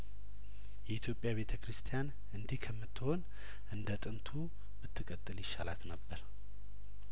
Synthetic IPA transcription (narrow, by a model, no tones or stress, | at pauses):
jɛit̪ʰjo̞pʼjaβe̞t̪ʰəkɾɨst̪ʰijan | ʔɨnd̪ihkʰəmːɨt̪ʰːɨho̞n | ʔɨnd̪ət̪ʼɨnt̪ʰu | b̥ɨt̪ʰːɨkʼət̪ʼːɨljɪʃːala̰t̪nəbːəɾ